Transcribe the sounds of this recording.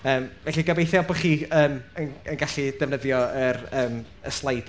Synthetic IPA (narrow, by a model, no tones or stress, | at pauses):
əːmvɛɬiɡəbejθjɔbɔχiːəːmənənɡaɬid̥ɛvnəðjɔəɾəːm | ə̰slˠajd